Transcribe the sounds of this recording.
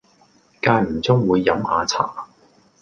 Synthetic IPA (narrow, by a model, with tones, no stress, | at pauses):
kaː˧jm̩˨˩t͡sʊ˥ŋwuː˨˧jːɐ˨˥mhaː˨˧t͡sʰa̰ː˨˩